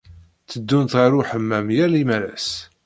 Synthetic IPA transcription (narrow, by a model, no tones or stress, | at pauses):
t͡sːəd̪ːunt̪ʁaɾʊħəmːæmjælimæɾæ̰s